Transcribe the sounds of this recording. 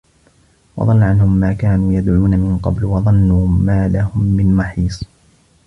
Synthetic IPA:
wɑ̰ðˤɑnlːʕanhʊmːaːkaːnuːjad̪ʕuːnamɪnqɑ̰blwɑðˤɑnːumaːlahʊmːɪnmɑħiːsˤ

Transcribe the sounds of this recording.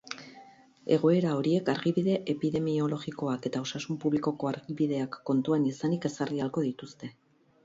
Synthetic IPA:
e̞ɣ̞o̞e̞ɾao̞ɾie̞kaɾɣiβiðe̞ʔepiðe̞mio̞lo̞ɣiko̞ake̞t̪ao̞sasumpuβliko̞ko̞aɾɣiβiðe̞akːo̞nt̪uanisanike̞sarialko̞ðit̪ust̪e̞

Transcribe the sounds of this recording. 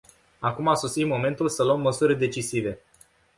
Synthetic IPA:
akumaso̞sit̪mo̞me̞nt̪ulsəloəmːəsuɾʲd̪e̞t͡ʃisive̞

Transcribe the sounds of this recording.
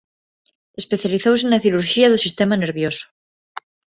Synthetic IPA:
espe̞θjaliθows̬enaθiɾuɾʃiaðusist̪emaneɾβjosu̥

